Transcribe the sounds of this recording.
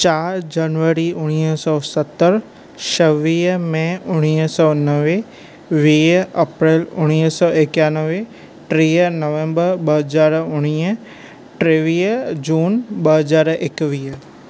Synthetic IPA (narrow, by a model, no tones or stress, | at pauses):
t͡ɕaːɾd͡ʑɐnʋəɾiʔʊɽ̃iːsɔːsɐt̪əɾ | ʃɐʋiːmɛ̃ʊɽ̃iːsɔːnɐʋe | ʋiːɐpɾeːlʊɽ̃iːɦsɔːʔekaːnəʋe | ʈɾiːnɐʋẽmbəɾɓɐɦɐzaːɾʊɽ̃iːə | ʈɾeːʋiːd͡ʑuːnɓɐɦɐzaːɾekʋiː